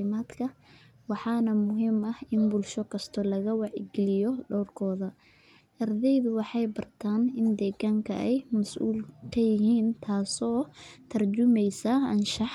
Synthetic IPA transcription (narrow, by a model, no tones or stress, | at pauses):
ɪmaːd̪kʰɐ | wɑħɑːnɐmʊɦɪmɐhɪnbʊlʃɔkʰɐst̪ʰɔlɐɣɐwɑʕɪ̰ɡɪlɪjɔɖɔwrkʰɔːðɐ | ʔɐrd̪ɛjðʊwɑħɑjbɐrt̪ʰaːnɪnd̪ɛːɣaːŋkʰɐ̰ʔɛjmɐsʔṵːlkʰɐjɪɦiːnt̪ʰaːsɔːt̪ʰɐrd͡ʒʊmɛjsɐɐnʃɑħ